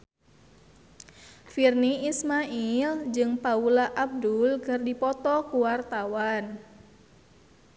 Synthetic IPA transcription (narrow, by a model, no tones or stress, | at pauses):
firniismaʔild͡ʒɨŋpaulaʔab̚dulkɨrdipɔt̪ɔkuwart̪awan